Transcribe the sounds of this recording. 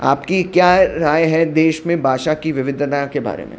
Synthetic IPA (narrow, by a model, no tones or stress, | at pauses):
a̰ːpkikjaːɾaːjɦɛd̪eːʃmẽbʱaːʃakiʋɪʋɪd̪ʱd̪akeba̰ːɾḛmḛ̃